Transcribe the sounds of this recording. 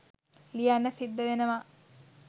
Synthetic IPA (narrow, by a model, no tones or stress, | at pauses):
lijanːəsid̪ːəʋenəʋa